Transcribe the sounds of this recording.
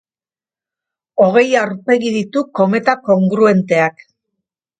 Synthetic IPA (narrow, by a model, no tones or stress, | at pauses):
o̞ɣ̞e̞jawɾpe̞ɣiðit̪uko̞me̞t̪ako̞ŋɡɾue̞nt̪e̞ak